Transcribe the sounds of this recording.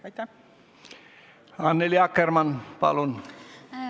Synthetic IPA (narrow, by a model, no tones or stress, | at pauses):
ɑnːeliɑkːermɑnpɑ̰lun